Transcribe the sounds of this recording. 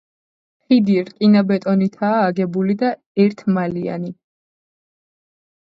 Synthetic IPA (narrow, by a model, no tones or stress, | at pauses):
χid̪iɾkʼinabɛt̪ʼɔnit̪ʰaːɡɛbulid̪a | ɛɾt̪ʰmalia̰ni